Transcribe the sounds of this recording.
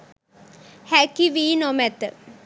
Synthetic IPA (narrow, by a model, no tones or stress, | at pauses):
hækiʋiːnomæt̪ə